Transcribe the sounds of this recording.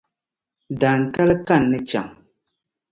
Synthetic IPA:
da˨n˨ta˦lɨ˦ka˦˨nːɨ˦t͡ʃa̰˨ŋ

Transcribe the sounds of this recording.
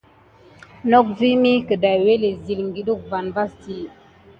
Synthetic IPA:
nɔ˦k̚vi˦mi˦kə˨da˨jwe˦le˨zi˨lŋ˦ɡi˨ɗu˦˨k̚va˨nva˦sti˦

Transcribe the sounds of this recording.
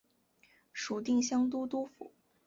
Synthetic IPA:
ʂu˨˩t̪i˥˩ŋɕjɑ˥ŋt̪̬u˥t̪u˥fṵ˨˩˦

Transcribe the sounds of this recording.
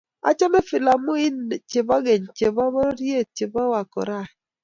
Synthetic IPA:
a̰˨t͡ʃɔ˦ne˦fɪ˨la˨mʊ˦i˦n˨t͡ʃe˨ba˦ɡe˨ɲt͡ʃe˨ba˦mɔ˦ɾje˦˨t͡ʃe˨ba˦wa˨kɔ̰˨ɾa˦˨

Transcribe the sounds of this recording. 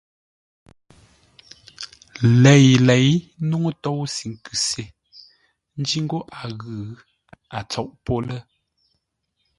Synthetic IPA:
lɛ˨jlɛ˨jnu˦ŋo˦tɔ˦˨wsi˨ŋ˨kʉ˨se˨ | n̩˦d͡ʒi˦ŋ̩˦ɡo˦ʔa˨ɣʉ˨ | a˨t͡sɔ˨ʔpo˦lɛ˦

